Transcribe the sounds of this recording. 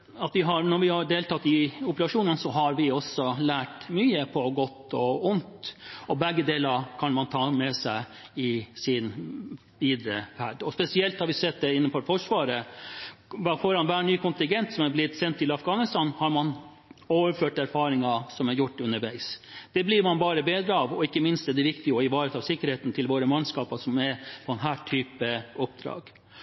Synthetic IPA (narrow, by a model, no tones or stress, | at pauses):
ɑt̪ʋɪɦɑɾnɔɾʋɪhɑɖeːlt̪ɑt̪ːɪʊpəɾɑʂuːnənsɔɦɑɾʋɪɔsːɔlæːʈmyːəpʰɔɡɔt̪ːɔʊnt̪ɔbɛɡːəd̪eːləɾkʰɑnmɑnt̪ʰɑːmɛsæɪɪsɪn | ʋiːd̪ɾəfæɖ̪ɔspɛsɪɛlt̪hɑɾʋɪsɛt̪̚d̪ɛɪnːənfɔɾfɔʂʋɑːɾə | ʋfɔɾɑnʋæːɳyːkʰʊnt̪ɪŋɡɛnt̪sɔmæblɪt̪sɛnt̪ʰːɪlɑfɡɑːnɪst̪ɑnhɑɾmɑn | oːʋəɾføːʈæɾfɑːɾɪŋɑsɔmæɾjʊʈːʉnːəɾʋæɪsd̪̥ɛblɪɾmɑnbɑːɾəbeːd̪ɾəɑʋɔɪkːəmɪnst̪ɛd̪ɛʋɪkt̪ɪəɔɪʋɑːɾət̪ʰɑːʋsɪkːəɾheːt̪n̩t̪ʰɪlʋoːɾəmɑnskɑːpɑsɔmæpʰɔɛnɦæːʈʰyːpəɔpd̪ɾɑ̰ːɡ̥